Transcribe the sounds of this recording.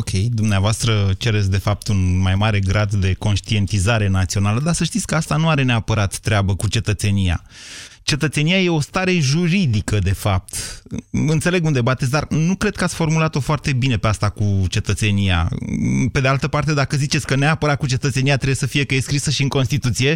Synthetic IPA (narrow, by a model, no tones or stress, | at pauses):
okʲʰe̞jd̪umneavoast̪ɾət͡ʃe̞ɾesʲd̪e̞fap̚t̪unmajmaɾe̞ɡɾad̪d̪e̞ko̞nʃt̪ie̞nt̪izaɾe̞nat̪sio̞naləd̪asəʃt̪it̪sʲkəast̪anuaɾe̞neapəɾat̪ːɾeabəkut͡ʃe̞t̪ət̪se̞nija̰t͡ʃe̞t̪ət̪se̞nijaje̞o̞st̪aɾe̞ʒuɾid̪ikəd̪e̞fap̚t̪ | ɨnt̪se̞leɡund̪e̞bat̪e̞t̪s̬ʲd̪arnukɾe̞d̪̚kəatsʲfo̞rmulat̪o̞foart̪e̞bine̞peast̪akut͡ʃe̞t̪ət̪se̞nija̰pe̞d̪e̞alt̪əpart̪e̞d̪akəzit͡ʃe̞t̪sʲkəneapəɾat̪̚kut͡ʃe̞t̪ət̪se̞niat̪ɾebejesəfije̞kəjeskɾisəʃiɨŋko̞nst̪it̪ut̪sije̞